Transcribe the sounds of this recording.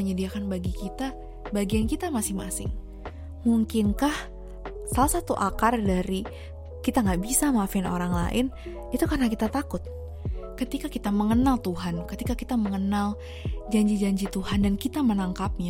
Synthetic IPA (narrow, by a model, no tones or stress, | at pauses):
əɲədiakanbaɡikit̪a | baɡiankit̪amasɪŋmasɪ̰ŋ | muŋkɪnkah | salasat̪uʔakardaɾi | kit̪aŋɡaʔbisamafɪno̰ɾaŋla̰ʔɪn | it̪ukarnakit̪at̪akʊt̪̚ | kət̪ikakit̪aməŋənalt̪uɦankət̪ikakit̪aməŋənal | d͡ʒaɲd͡ʒid͡ʒaɲd͡ʒit̪uɦandankit̪amənaŋkap̚ɲa